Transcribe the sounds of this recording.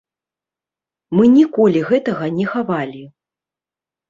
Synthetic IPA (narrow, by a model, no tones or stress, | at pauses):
mɨnʲikɔlʲiɣɛt̪ɐɣɐnʲɛxavalʲi